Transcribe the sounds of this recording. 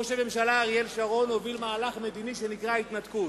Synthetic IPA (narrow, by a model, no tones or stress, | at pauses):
oʃeme̞mʃalaʁielʃaʁo̞novilmaːlaχme̞d̪iniʃenikʁait̪nat̪kut